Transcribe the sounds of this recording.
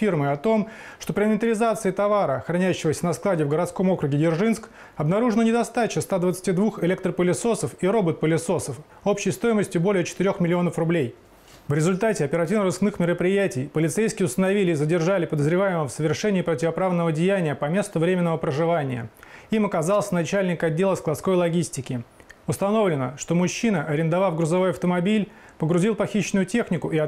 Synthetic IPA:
fʲirmɨɐt̪o̞m | ʂt̪o̞pɾʲɪmʲnʲɪnʲt̪əɾʲɪzat̪sɨɪt̪ɐvaɾəxɾɐnʲæʉɕːɪvəsʲənɐsklˠadʲɪvɡəɾɐt̪sko̞mo̞kɾʊɡʲɪɡʲɪrʐɨnsk | ɐbnɐɾuʐɨnənʲɪd̪ɐst̪at͡ɕɪst̪ad̪vət̪sɨ̥tʲid̪vuxɛlʲekt̪ɾrəpəlʲɪsosəfiɾo̞bət̪̚pəlʲɪso̞səf | o̞pɕɪjst̪o̞ɪməsʲtʲʊbo̞lʲɪjət͡ɕɪ̥t̪ɪɾʲo̞xmʲɪlʲɪo̞nəfrʊblʲej | vɾʲɪzʊlʲt̪atʲɪɐpʲɪɾɐtʲivnəɾɨsknɨxmʲɪɾəpɾʲɪjætʲɪjpəlʲɪt̪sejskʲɪɪʊst̪ənɐvʲilʲɪːzədʲɪrʐalʲɪpəd̪əzɾʲɪvajɪməmfsəvʲɪrʂɛnʲɪːpɾətʲɪvɐpɾavnəvədʲɪjænʲɪjəpɐmʲe̞st̪ʊvɾʲemʲɪnːəvəpɾəʐɨvanʲɪjə̰imɐkɐzɑlˠsʲənɐt͡ɕælʲnʲɪkɐdʲːelˠəsklˠɐt̪sko̞jlˠɐɡʲisʲtʲɪkʲɪʊst̪ɐno̞vlʲɪnəʂt̪o̞mʊɕːinəʔɐɾʲɪnd̪ɐvafɡɾʊzɐvojɐft̪əmɐbʲilʲ | pəɡɾʊzʲilˠpɐxʲiɕːɪnʊjʊtʲe̞xnʲɪkʊɪɐ

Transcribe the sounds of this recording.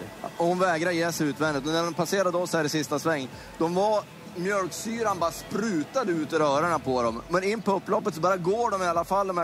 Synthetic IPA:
ɔhʊnvɛːɡɾajeːsɛʉːt̪vɛnɪt̪ɔnæɾɔmpʰaseːɾad̪əɔsæːɾɪsɪst̪asvɛŋː | d̪ɔmva | mjœlksyːɾanbɑːɾaspɾʉːt̪ad̪əʉ̟ːt̪ɔɾœːɾaɳapʰɔd̪ɔmːɛnɪnːpʰɔɵpːlɔpːət̪sɔbɑːɾaɡoːɖɔmɪalːafald̪ɔmæ

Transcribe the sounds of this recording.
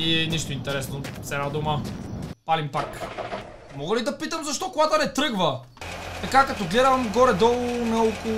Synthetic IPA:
iɛniʃt̪ʊint̪ɛɾɛsnosɛnad̪uməpalimpak | mɔɡəlid̪ɐpit̪əmzɐʃt̪ɔkoɡat̪ənɛt̪ɾɤɡvə | t̪ɐkakɐt̪ɔɡlɛd̪ɐmɡɔɾɛd̪ɔlˠʊnɐoko

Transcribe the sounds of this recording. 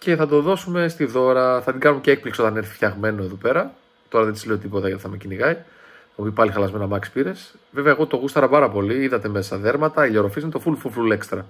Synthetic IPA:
ce̞θɐt̪o̞ðo̞sume̞st̪iðo̞ɾɐθɐt̪iɡɐnumeceek̚pliksiot̪ɐne̞ɾθi̥fçɐɣme̞no̞eðope̞ɾɐ | t̪o̞ɾɐðet̪izleo̞t̪ipot̪ɐʝɐt̪i̥θɐmeciniɣɐi | opipɐlixɐlɐzme̞nɐmɐkspiɾe̞s | ve̞veɐeɣo̞t̪o̞ɣust̪ɐɾɐpɐɾɐpo̞liiðɐt̪e̞me̞sɐðe̞ɾmɐt̪ɐiʎoɾofiznit̪ofulfulfulekst̪ɾɐ

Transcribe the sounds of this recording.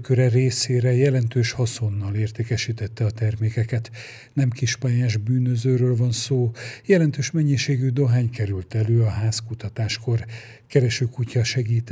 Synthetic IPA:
køɾɛreːseːɾɛjɛlɛnt̪øːʃhɒsonːɒleːrt̪eːkɛʃiːt̪ɛt̪ːɛɒt̪ɛrmeːkɛkɛt̪ | nɛmkiʃpaːjaːʒbyːnøzøːɾøːlvɒnsoːjɛlɛnt̪øːʃmɛɲːiʃeːɡyd̪o̞ɦaːɲkɛɾylt̪ɛløːɒɦaːskut̪ɒt̪aːʃko̞r | kɛɾɛʃøːkucɒʃɛɡiːt̪

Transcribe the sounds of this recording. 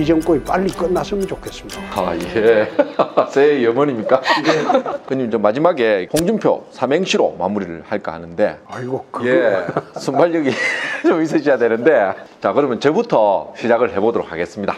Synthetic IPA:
id͡ʑʌmk͈oip͈aʎːik͈ʌnːasɯmint͡ɕokʰes͈ɯmidaaiɡe | sʰejʌmʌɲimɲik͈a | kɯɲimt͡ɕomːad͡ʑimaɡe̞pʰoŋd͡ʑumpʰjo̰sʰame̞ŋɕʰiɾo̰ma̰muɾiɾɯ̰ɭhaɭk͈a̰a̰nɯnde̞aiɡokjesʰumbaʎjʌɡit͡ɕomis̬͈ʰɯɕʰijadwenɯnde̞t͡ɕakɯɾʌmjʌnt͡ɕebutʰʌɕʰid͡ʑaɡɯɭhe̞bodoɾokʰa̰ɡe̞s͈ɯmɲida

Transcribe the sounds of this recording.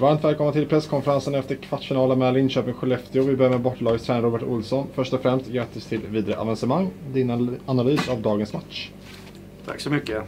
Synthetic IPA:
vaɾmt̪vɛːlkɔmnat̪ʰɪlpʰɾɛsːkʰɔnfəɾansənɛft̪əɾkʰvaʈːfɪnɑːlamɛːlɪnɕøːpɪŋɧɛlɛft̪ɪʊvɪbøːmɛbɔʈːɭɑːɡəst̪ʰɾɛːnɾuːbəʈʊ̰lsɔnfœʂʈɔfɾɛmst̪jɛːt̪əst̪ʰɪlviːd̪aɾəʔa̰vansəmaŋːd̪ɪnanalyːsavd̪ɑːɡənsmat̪ʂ | t̪ʰa̰ksɔmʏkːə

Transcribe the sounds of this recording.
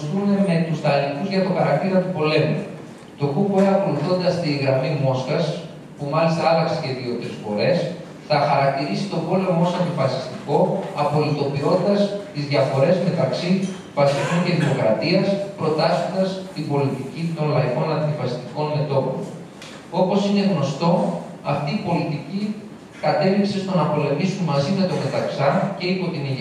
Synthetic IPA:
st̪une̞me̞t̪ust̪ɐlixuzʝɐt̪o̞xɐɾɐk̚t̪iɾɐt̪upo̞le̞mṵ | t̪o̞kupoeɐko̞luθo̞nd̪ɐst̪iɣɾɐmimo̞sxɐs | pumɐlist̪ɐɐlɐkseceðio̞t̪ɾisfo̞̰ɾe̞s | θɐxɐɾɐk̚t̪iɾisit̪o̞bo̞lemosɐnd̪ifɐsi̥st̪iko̞ɐpo̞lit̪o̞pio̞t̪id̪ɐst̪izðʝɐfo̞ɾe̞zme̞t̪ɐksi | vɐsiko̞ɲce̞ðimo̞kɾɐt̪iɐspɾo̞t̪ɐso̞nd̪ɐst̪ibo̞lit̪icit̪o̞nlɐiko̞nɐnd̪ifɐsi̥st̪iko̞nme̞t̪o̞po̰n | o̞po̞sine̞ɣno̞st̪o̞ɐft̪iːpo̞lit̪ici | kɐt̪e̞lipse̞st̪o̞nɐpo̞le̞misunmɐzime̞t̪o̞me̞t̪ɐksɐce̞ipo̞t̪ini

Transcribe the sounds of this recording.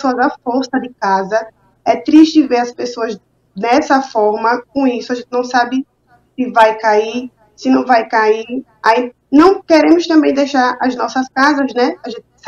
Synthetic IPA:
soɐzafoɾsɐd̪ɪkazɐ | ɛt̪ɾiʃt͡ʃɪɪveɾɐspesoɐz | d̪ɛsɐfɔɾmɐkõisʊaʒẽt̪ɪnɐ̃w̃sabɪ | sɪvajkai | sɪnɐ̃w̃vajkai | ai | nɐ̃w̃keɾẽmʊst̪ɐ̃mbẽj̃d̪ejʃaɾɐznɔsɐskazɐznɛaʒẽnt̪ɪ

